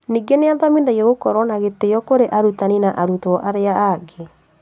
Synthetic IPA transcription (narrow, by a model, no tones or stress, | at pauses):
niːɡeneaðamindajeɣokɔɾwɔnaɣetejɔkoɾeʔaɾutaninaʔaɾutɔʔaɾeaaɡe